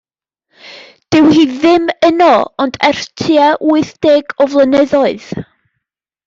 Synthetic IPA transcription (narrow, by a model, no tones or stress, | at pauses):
d̥ɨwhiːðɪmənɔɔndɛr̥tʰjaʔuɨθd̥eːɡɔvlˠənɛðɔɨð̥